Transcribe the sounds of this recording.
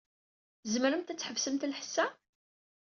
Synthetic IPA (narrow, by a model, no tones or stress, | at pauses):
zməɾəmt̪æt͡sːħəvsəmt̪lħə̥sːæ